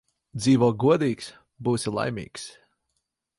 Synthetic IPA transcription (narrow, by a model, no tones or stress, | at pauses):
d̪ziːvuɔɡuɔd̪iːks | buːsilˠa̰jmḭːks